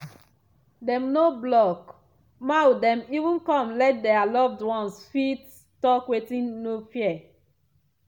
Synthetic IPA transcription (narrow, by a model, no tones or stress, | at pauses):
dɛ̃mnoblɔk | mawdɛ̃mivũnkɔ̃mlɛt̚dɛalɔvdwɔ̃nsfit | tɔkwetĩnːofiɛ